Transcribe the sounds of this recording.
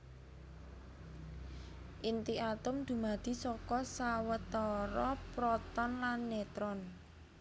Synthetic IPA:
ʔint̪iʔat̪ʊmd̪̥ṳmad̪̥i̤sɔkɔsawət̪ɔɾɔpɾɔt̪ɔnlanːet̪ɾɔn

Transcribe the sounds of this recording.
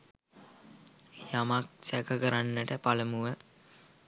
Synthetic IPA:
jamak̚sækəkəɾanːəʈəpaləmuʋə

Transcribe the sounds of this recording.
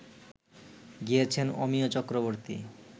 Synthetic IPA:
ɡijet͡ɕʰeno̰miot͡ɕɔkɾoβoɾt̪ḭ

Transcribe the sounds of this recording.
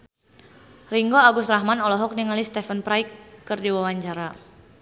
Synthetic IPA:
riŋɡoaɡʊst̪ɾaɦmanɔlɔɦɔk̚niŋalist̪ɛfənpɾajkːɨrdiwawaɲt͡ʃaɾa

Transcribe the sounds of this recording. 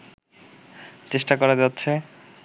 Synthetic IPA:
t͡ɕeʃʈakɔɾad͡ʑatːɕʰe

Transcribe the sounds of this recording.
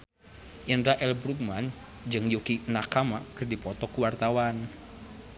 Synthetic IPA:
ʔəndɾaʔɛlbɾuk̚man | d͡ʒɨŋjukinakamakərdipɔt̪ɔkuwart̪awan

